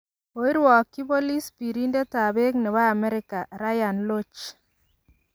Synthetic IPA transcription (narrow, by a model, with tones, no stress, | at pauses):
o˨i˦ɾwɔ˨kːi˦bo˦li˦spi˨ɾi˦nde˦ta˨be˦knɛ˨βa˦a˨mɛ˦ɾɪ˦ka˨ɾa˦ja˨nlo˦t͡ʃ